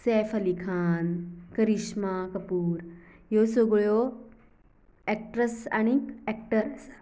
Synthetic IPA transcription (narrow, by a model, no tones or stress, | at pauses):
sɛːfɐlikʰaːnkɐɾiʃmakɐpuːɾ | josoɡɭjo | ek̚ʈɾəsa̰ːñiɛk̚ʈəɾs